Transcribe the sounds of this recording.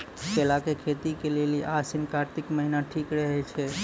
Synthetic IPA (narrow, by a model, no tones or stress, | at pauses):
kelakekʰet̪ikeleliʔasɪnkaɾt̪ɪkməɦinaʈʰikɽeɦəjt͡ʃʰe